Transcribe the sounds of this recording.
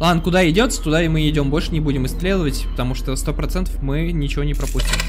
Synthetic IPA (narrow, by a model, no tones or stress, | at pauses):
lˠankʊd̪aɪdʲo̞t̪sə̥t̪ʊd̪aɪmɨɪdʲo̞mbo̞lʲʂɨnʲɪbudʲɪmɨst̪lʲed̪əvətʲpət̪ɐmuʂt̪əst̪o̞pɾɐt̪sɛnt̪əfmɨnʲɪt͡ɕɪvo̞nʲɪpɾɐpusʲtʲɪm